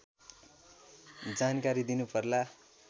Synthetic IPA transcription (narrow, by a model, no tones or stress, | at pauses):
d͡zankaɾid̪inupʌrla